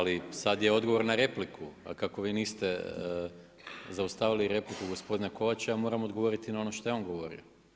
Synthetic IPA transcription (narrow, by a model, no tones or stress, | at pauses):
alisad̪jeo̞d̪ɡo̞ʋo̞ɾnaɾe̞plikʰua̰kako̞ʋiːniːst̪e̞ | zaust̪aːʋiliɾe̞plikuɡo̞spo̞d̪inako̞ʋat͡ɕaamo̞ːɾamod̪ɡo̞ʋo̞ɾit̪inao̞noʃt̪o̞jeo̞nɡo̞ʋo̞ɾḭo